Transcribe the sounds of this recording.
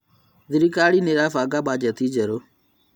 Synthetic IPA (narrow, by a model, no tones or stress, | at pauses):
ðɪɾikaːɽiːneɾaːfaːɡaɓaːd͡ʒɛt̪ʰiːd͡ʒɛɾo